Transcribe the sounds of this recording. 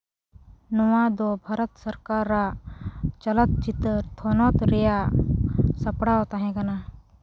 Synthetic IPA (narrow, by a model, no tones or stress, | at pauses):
nɔwad̪ɔbʱaɾət̪səɾkaɾːa | t͡ʃɐlət̪̚t͡ʃit̪əɾt̪ʰɔnɔt̪ɾɛja | sɐpɽaɔt̪aɦɛ̃kana